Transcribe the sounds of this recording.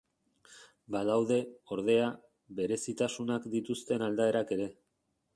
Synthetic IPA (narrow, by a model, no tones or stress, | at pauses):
baðawðe̞o̞ɾð̞e̞a | βe̞ɾe̞sit̪asunakd̪it̪ust̪e̞nald̪ae̞ɾake̞ɾe̞